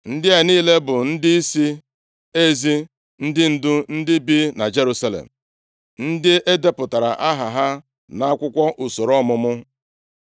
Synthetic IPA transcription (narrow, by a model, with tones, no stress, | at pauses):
n̩˦dɪ˦a˨niː˦le˦bʊ˨n̩˦dɪ˦i˦si˦ | e˦zi˦ | n̩˦dɪ˦n̩˦dʊ˦n̩˦dɪ˦bi˦na˨d͡ʒe˦ɾu˦sa˦lḛ˨m̩˨ | n̩˦dɪ˦ʔe˦de˦pʊ˨ta˨ɾa̰˨ʔa˦ɦa˨ɦa˦ | na˦a˦kʷʊ˦kʷɔ˦ʔu˨so˨ɾɔ˦mʊ˦mʊ˦